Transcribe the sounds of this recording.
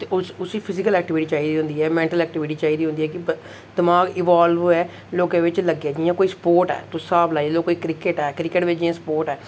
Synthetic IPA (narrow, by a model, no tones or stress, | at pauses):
t̪eʊsʊsiːpʰɪzɪkəlɛːk̚ʈɪʋɪʈiːt͡ʃaːiːd̪iːɦõnd̪iːɛːmɛ̃ːɳʈəlɛːk̚ʈɪʋɪʈiːt͡ʃaːiːd̪iɦõnd̪iːɛːkɪ | d̪əmaːɡɪʋaːlʋɛː | loːɡãːʋɪt͡ʃləɡaːd͡ʒijãːkoːiːsə̥poːɾʈɛ̰ːt̪ʊsaːblaːiɛloːkːoːiːkɾɪkeʈɛːkɾɪkəʈʋɪd͡ʒiãːsə̥poːɾʈɛː